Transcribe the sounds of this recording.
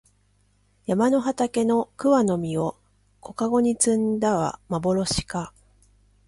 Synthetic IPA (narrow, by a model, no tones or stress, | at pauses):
jamano̞ɦat̪ake̞no̞kɯ̟βano̞mʲio̞ | ko̞kaɡo̞ɲ̟it͡sɨ̃nd̪aβa̰mabo̞ɾo̞ɕi̥ka